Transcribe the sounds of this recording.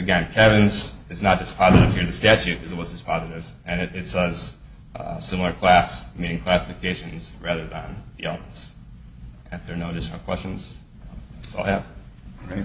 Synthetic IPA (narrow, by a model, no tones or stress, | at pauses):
ɨɡɛ̃nkʰɛvɨ̃nzɨznət̚d̥ɨspʰɑzɨɾɨv̥hiɹðɨstæt͡ʃʉt̚ʰʌzˠwʌzdɨspʰɑzɨɾɪv | ɨ̃nɨɾɨtsʌz̥ | sɪ̃ml̩ˠə˞kʰl̥æsmĩñɪ̃ŋkʰl̥æsə̥fɨkʰeɪʃɨ̃nz̥ɹæðə˞ðə̃nðiɛlˠbs | ɨfðə˞noʊdɪʃnl̩ˠkʰw̥ɛst͡ʃn̩z̥ | ɨtsɔ̰lˠæv̥